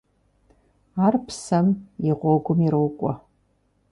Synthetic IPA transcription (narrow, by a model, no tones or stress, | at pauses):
aːrpʰsɐmjɪʁʷɔɡʷʊmiɾowkʷʼɔ